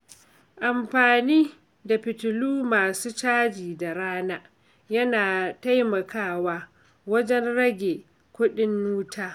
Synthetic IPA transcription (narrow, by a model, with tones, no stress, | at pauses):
ʔa˨mɸaː˨niː˦ | da˨ɸɪ˨tʊ˨luː˦maː˨suː˦t͡ʃaː˦d͡ʒiː˨da˨ɾaː˦naː˦ | jɐ˦naː˨ta˦jmɐ˨kʰaː˦˨waː˦ | wɐ˦d͡ʒɛ˦nɽɐ˦ɡʲe˨ | kʷʊ˦ɗɪ˦nːuː˦tʰaː˦